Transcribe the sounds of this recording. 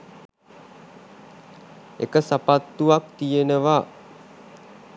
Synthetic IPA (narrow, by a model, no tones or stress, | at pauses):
ḛkəsapat̪ːuʋak̚t̪ijenəʋa